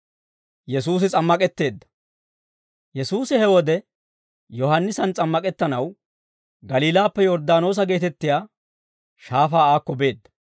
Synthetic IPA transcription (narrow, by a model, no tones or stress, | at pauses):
jɛs̬uːs̬ɪt͡sʼɐmːɐkʼɛt̪ːe̞ːd̪ːɐ̥ | jɛsuːsɪhɛwɔd̪ɛ | jɔhɐnːɪsɐnt͡sʼɐmːɐkʼɛt̪ːɐnɐw | ɡɐliːlaːpːɛjɔɾd̪aːno̞ːs̬ɐɡe̞ːt̪ɛt̪ːɪjaː | ʃaːfaːaːkːɔbe̞ːd̪ːɐ̥